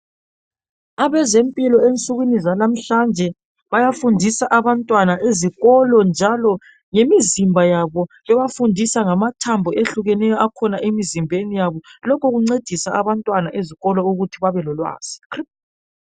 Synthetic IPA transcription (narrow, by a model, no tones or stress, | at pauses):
aβɛzempʼilɔent͡sʼuɣwinizalam̩ɬand͡ʒʱɛ | βajafundʱisaʔaβantʼwanaʔeziɣɔlɔnd͡ʒʱalɔ | ŋemizimbʱajaβɔ | ɛβafundʱisaŋamatʰambʱɔʔeɬuɣɛnɛjɔakʰɔnaʔemizimbʱenijaβɔlɔkʰɔɣuŋ͡ǀed̥ʱisaaβantʼwanaʔeziɣɔlɔuɣutʰiβaβɛlɔlwa̰ːz̥i̥kri